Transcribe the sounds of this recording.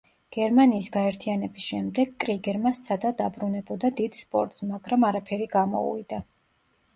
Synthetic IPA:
ɡ̥ɛɾmaniːsɡaɛɾt̪ʰianɛbisʃɛmd̪ɛɡkʼɾiɡɛɾmast̪sʰad̪ad̪abɾunɛbɔd̪ad̪id̪̥spʼɔ̰ɾt̪ʼsmaɡɾamaɾapʰɛɾiɡamɔ̰ṵvḭd̪a

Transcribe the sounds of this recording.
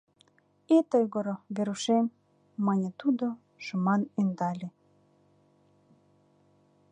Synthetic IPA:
et̪ojɣoɾoβeɾuʃemː | ɑnʲet̪ud̪o | ʃəmɑnynd̪ɑlʲe

